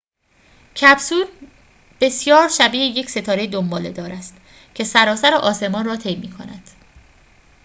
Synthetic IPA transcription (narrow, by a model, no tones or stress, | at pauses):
cʰæbsuːɾ | b̥e̞sjɒːɾʃæbiːheje̞cʰse̞t̪ʰɒːɾe̞jed̪ombɒːled̪ɒːɾæst̪ | cʰe̞sæɾɒːsæɾeʔɒːse̞mɒːnrɒːt̪ʰe̞jmiːkʰo̰næ̰d̪̥